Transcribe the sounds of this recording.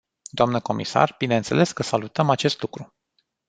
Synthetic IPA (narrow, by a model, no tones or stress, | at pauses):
d̪oamnəko̞mḭsa̰rb̥ineənt̪se̞le̞skəsalut̪əmat͡ʃe̞st̪lukɾu